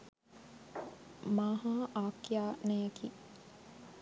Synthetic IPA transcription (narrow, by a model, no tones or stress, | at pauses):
maɦaʔaːkjaːnɛjɐkʰiː